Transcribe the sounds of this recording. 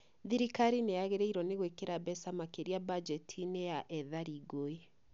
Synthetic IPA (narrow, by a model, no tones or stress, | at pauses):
ðiɾikaɾineaɣeɾeiɾɔneɣwekeɾabɛsamakeɾiabad͡ʒɛtʰinejaʔɛðaɾiɡoe